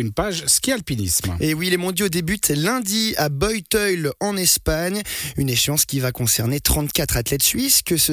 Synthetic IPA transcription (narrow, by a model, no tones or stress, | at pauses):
ynpaʒsə̥kʲialpinḭsmewilemɔ̃d̪jod̪ebyt̪lɛ̃d̪iabɔjt̪œjlɑ̃nɛspaɲyneʃɑ̃skʲivakɔ̃sɛʁnet̪χɑ̃t̪kʲat̪χat̪lɛt̪sɥiskəsə